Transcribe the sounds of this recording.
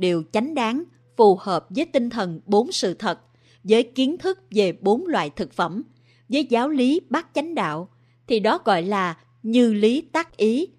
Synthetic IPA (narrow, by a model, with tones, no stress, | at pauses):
ɗe˨˩wt͡ɕa˨˦jŋ̟ɗaː˨˦ŋ | fu˨˩həː˨˩p̚vəː˨˦jt̪i˧ŋt̪ʰə˨˩nɓo˨˦nsɨ̰˧˨t̪ʰə˨˩t̚ | vəː˨˦jki˨˦ənt̪ʰɨ˦˥k̚ve˨˩ɓo˨˦nlwa̰ː˧˨jt̪ʰɨ˨˩k̚fə̰˧˩m | vəː˨˦jzaː˨˦wli˨˦ɓaː˦˥k̚t͡ɕa˨˦jŋ̟ɗa̰ː˧˨w | t̪ʰi˨˩ɗɔ˨˦ɣɔ̰˧˨jlaː˨˩ | ɲɨ˧li˨˦t̪aː˦˥k̚ʔi˨˦